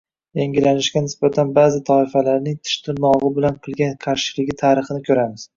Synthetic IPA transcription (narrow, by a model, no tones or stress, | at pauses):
jaŋɡʲɪlanɪʃɡʲanɪsb̥at̪ʰanbaːzɪt̪ʰɒɪfalaɾnɪŋt̪ʰɪ̥ʃt̪ʰɪmɒʁɨbɪlanqʰɨlˠɡʲanqʰaɾʃɪlɪɡʲɪt̪ʰaːɾɨχɨnɪkʲʰɵɾamɪz̥